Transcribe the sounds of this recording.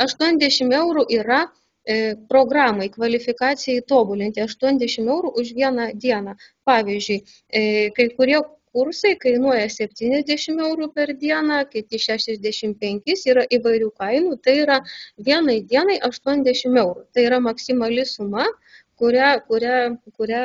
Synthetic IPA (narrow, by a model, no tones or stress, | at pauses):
ɐʃt̪uɔnʲɛzd̪ʲɛʃʲɪmɛʊɾuʔiːɾɐ | pɾoːɡrɑːmɐɪkʋɐlʲɪfʲɪkɑːt̪sʲɪjɛɪt̪oːbʊlʲɪnʲt̪ʲɪɐʃt̪uɔnʲzd̪ʲɛʃʲɪmɛʊɾuʔʊʃʋʲiɛnɑd̪ʲiɛnɑːpɑːʋʲiːzʲd͡ʒʲʊɪ | kɐɪkʊɾʲiɛkʊɾsɐɪkɐɪnuɔjɛsʲɛpʲt̪ʲiːnʲɛzʲd̪ʲæʃʲɪmɛʊɾupʲɛrd̪ʲiɛnɑːkʲɪt̪ʲɪʃʲæːʃʲɛzʲd̪ʲæʃʲɪmpʲɛŋʲkʲɪsiːɾɐʔiʋɐɪɾʲuːkɐɪnut̪ɐɪiɾɐʋʲiɛnɐɪd̪ʲiɛnɐɪʔɐʃt̪uɔnʲɛzd̪ʲɛʃʲɪmɛʊɾut̪ɐɪiɾɐmɐksʲɪmɐlʲɪsʊmɐ | kʊɾʲækʊɾʲækʊɾʲæ